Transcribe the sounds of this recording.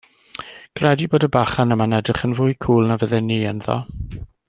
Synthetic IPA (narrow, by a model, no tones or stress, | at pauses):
ɡ̥rɛdiboːdəbaχanəmanɛdrɪχənvʊjkʰuːlˠnavəðɛniːənðɔ̰